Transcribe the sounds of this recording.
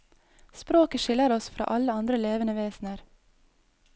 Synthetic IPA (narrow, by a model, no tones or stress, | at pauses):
spɾoːkəʃɪləɾɔsfɾʔɑ̰ːʔɑləɑnd̪ɾəleːʋənəʋeːsn̩əɾ